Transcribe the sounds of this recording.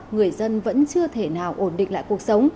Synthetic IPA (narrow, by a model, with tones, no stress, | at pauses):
ŋɨ˨˩əjzə˧nvə̰˧˥nt͡ɕɨ˧ət̪ʰe˧˩naː˨˩wʔo˧˩nɗḭ̈˧˨ŋ̟la̰ː˧˨ku˨˩ək̚sə˨˦wŋ͡m